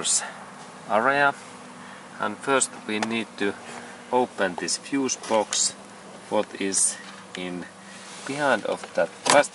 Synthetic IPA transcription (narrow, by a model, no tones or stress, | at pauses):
s | æɹiə | ə̰̃nfɜ˞stwiniːd̚t̪ʰɨ | oʊpə̃nðɪsfjuːsb̥ɔks | wɔt̪ɪz | ɪ̃n | b̥ihãɪ̃ndɔ̰fðət̪̚pʰæst